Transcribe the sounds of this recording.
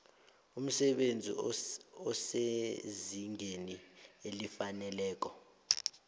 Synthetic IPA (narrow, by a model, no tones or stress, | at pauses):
um̩sɛɓend͡zʱḭɔseziŋenielifanɛlɛːk̬ɔ